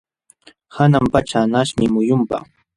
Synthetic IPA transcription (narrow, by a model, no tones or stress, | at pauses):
hanampat͡ʃanaʃmɪmʊjʊmpa̰